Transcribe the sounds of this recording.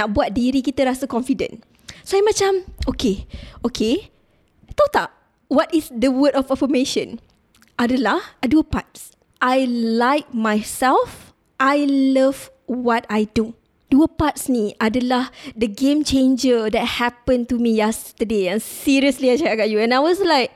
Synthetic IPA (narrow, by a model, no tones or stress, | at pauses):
nak̚buat̪̚diɾikit̪əɾasəkɔ̃ɱfidə̰̃n | soɛmãt͡ʃamokeokʰe | t̪ot̪a | wɔtisdəwədɔfəfəmeʃə̰̃n | ʔadəlahaduəpa̰t̚s | ʔajlajk̚majsɛlf | ʔajləv | wɔtajdu | d̥uəpat̚sniʔadəlahdəɡẽmt͡ʃẽnd͡ʒədɛt̚hɛpə̃ntumijɛst̪ədeɛ̃nsiɹiəsliajt͡ʃakaʔɡaʔjuɛ̃najwɔslaɪk̚